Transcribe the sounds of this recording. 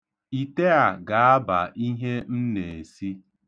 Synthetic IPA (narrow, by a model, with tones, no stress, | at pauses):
i˨te˦a˨ɡa˨a˦ba̰˨ʔi˦ɦe˦n̩˦ne˨e˨si˦